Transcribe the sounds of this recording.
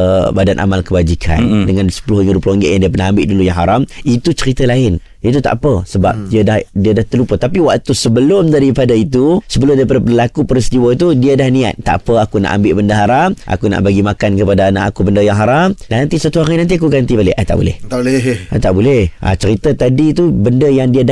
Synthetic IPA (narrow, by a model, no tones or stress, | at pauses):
əbadanʔa̰malkəbad͡ʒikʰa̰ndəŋansə̥puluhiŋəɾuploŋɡɪʔjãŋdiəpərnaɦambɪʔdulujaŋɦaɾamit̪ut͡ʃəɾit̪əlaɪn | it̪ut̪a̰ʔpəsəba̰p̚diədahdiədaht̪əlupət̪apiwaʔt̪usəbəlʊmdaɾipadait̪̬usəbəlʊmdaɾipadapədəlakupəɾist̪iwət̪udiadahnĩa̰t̪̚t̪ːa̰ʔpəakuna̰ʔa̰mbɪʔbəndəɦaɾamʔa̰kuna̰ʔbaɡimakankəpadaːna̰ʔakubəndəjaŋɦaɾamnant̪isat̪uaŋainant̪iakuɡant̪ibalɪʔat̪a̰ʔbṵlɛ̰h | at̪aʔbulɛhʔa̰t͡ʃəɾit̪ət̪adit̪ubəndəjaŋdiad